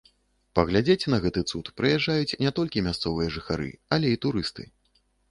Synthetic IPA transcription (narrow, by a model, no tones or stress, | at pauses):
pɐɣlʲad͡zʲet͡sʲnɐɣɛt̪ɨt̪sut̪pɾɨjaʐːajut͡sʲnʲɛt̪ɔlʲkʲimʲast̪sɔvɨjɐʐɨxaɾɨ̰ɐlʲɛit̪uɾɨst̪ɨ̰